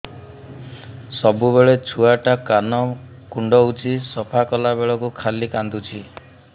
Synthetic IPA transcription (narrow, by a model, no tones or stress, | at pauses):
sɔbubeɭet͡ʃʰuaʈakanɔ | kuɳɖɔut͡ʃisɔpʰakɔlabeɭɔkukʰalikand̪ut͡ʃʰi